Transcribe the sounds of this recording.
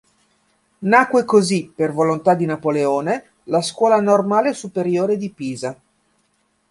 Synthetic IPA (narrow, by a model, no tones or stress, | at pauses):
nakːwekozipervolont̪ad̪inapoleoːne | laskwɔːlanormaːlesupeɾjoːɾed̪ipiːza